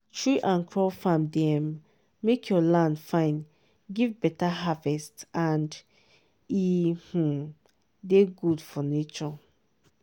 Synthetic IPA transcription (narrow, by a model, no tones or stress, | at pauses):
tɹiʔãnkʰɹɔfãmdɛmː | ekʰjɔlãndfãɪ̃n | ɡivbɛtaɦavɛstãnd | ih̩ | deɡudfɔnet͡ʃɔ